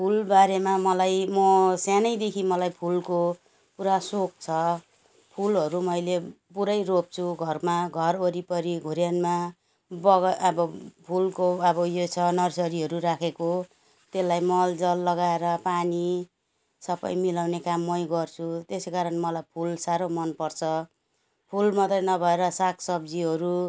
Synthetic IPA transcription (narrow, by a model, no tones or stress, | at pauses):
pʰulbaɾemamʌlajmʌsanʌjd̪ekʰimʌlajpʰulko | puɾasok̚t͡sʰʌ | pʰulɦʌɾumʌjle | puɾʌjrop̚t͡sʰuɡʱʌrmaɡʱʌroɾipʌɾiɡʱuɾjanma | bʌɡʌbʌpʰulkoʌbʌjot͡sʰʌnʌrsʌɾiɦʌɾuɾakʰeko | t̪elːajmʌld͡zʌlːʌɡaeɾʌpani | sʌpʌ̰jmilawnekamːʌjɡʌrt͡sʰut̪esekaɾʌnmʌlajpʰulsaɾomʌnpʌrt͡sʰʌ | pʰulmʌt̪rʌnʌbʱʌeɾʌsakʰsʌb̚d͡ziɦʌɾu